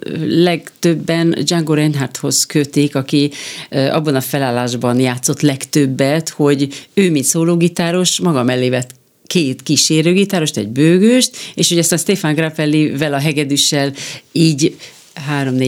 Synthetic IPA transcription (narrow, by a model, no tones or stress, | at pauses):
lɛɡt̪ø̞bːɛnd͡ʒaŋɡoɾɛnɦart̪ho̞zkøt̪ikɒki | ɒ̰bːɒnɒfɛlaːlːaːʒbɒnjaːt̪so̞t̪lɛkt̪øbːɛt̪ho̞ɟøːmint̪soːloːɡit̪aːɾo̞ʃmɒɡɒmɛlːeːvɛt̪ | keːt̪kiʃeːɾøːɡit̪aːɾo̞ʃt̪ɛ̰ɟ̚bøːɡøːʃt̪eːʃho̞ɟɒst̪aːnst̪eːfanɡrapɛlːivɛlɒɦɛɡɛd̪yʃːɛliːɟ | ɦaːɾo̞mne